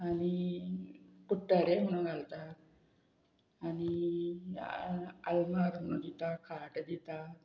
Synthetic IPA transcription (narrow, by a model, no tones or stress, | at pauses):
añi | kuʈːaɾeɦuɽ̃uɡʱalt̪at̪ | añi | aə̰lmaɾənːud̪it̪akʰaʈd̪it̪a